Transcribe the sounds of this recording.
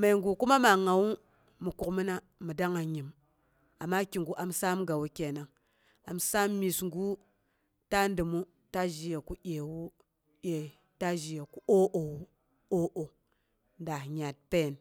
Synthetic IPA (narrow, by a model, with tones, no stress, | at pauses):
ma˨ŋɡu˨ku˦ma˦ma˨ŋa˨wu˦ | mu˨ku˨kmi˦na˦ | mu˨da˦ŋa˨ɲi˨m | a˨mːa˦ki˨ŋɡu˨ʔa˨msa˦mɡa˨wu˦kʲe˨na˨ŋ | a˨msa˦mːi˨sŋɡu˦ | ta˦ndɨ˨mu˦ | ta˦ʒi˨ja˨ku˦ʔʲe˨wu˦ | je˨ | ta˦ʒi˨ja˨ku˦o˦ʔo˨wu˦ | o˦ʔo˨ | nda˨ɲa˨t̚pe˦˨n